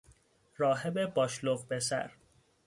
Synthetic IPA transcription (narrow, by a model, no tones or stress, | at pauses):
ɾɒːɦebebɒːʃloɣbe̞sæ̰ɾ